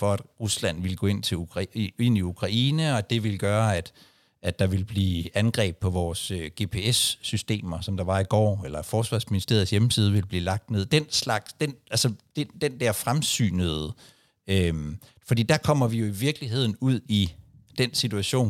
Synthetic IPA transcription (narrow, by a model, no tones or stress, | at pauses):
fɒ̽æd̥ʁuslæn̰ʋe̝lɡ̥ɔ̰e̝n̰t͡sʰe̝uʁe̝n̰iukʰʁɑ̈ʔiːnəɒ̽æd̥e̝ʋe̝lɡ̥ɶːɐæd̥ | æd̥ɑ̈ʋe̝lb̥liːænɡ̥ʁɛ̰ːb̥̚pʰɒ̽ʋɒːsøɡ̥e̝pʰe̝esːysd̥e̝̰ːmɐsɒ̽md̥ɑ̈ʋɑ̈iɡ̥ɒ̰ːelɐfɒːsʋɑ̈ːsminisd̥e̝ɐð̞̩ˠsjeməsiːð̞̩ˠʋe̝lb̥liːlɑ̈ɡ̥̚d̥ne̝ð̞̰ˠd̥enslɑ̈ɡ̥sd̥enʔælsəd̥ed̥end̥æɐ̰fʁamsy̰ːnəð̩ˠ | øm | fɒd̥ḭːd̥ɑ̈kʰɒ̽m̰ɐʋijo̝iʋiɐɡ̥liɦe̝ð̞̰ˠn̩uð̞̰ˠi | d̥ensit͡sʰuæɕo̝̰ːn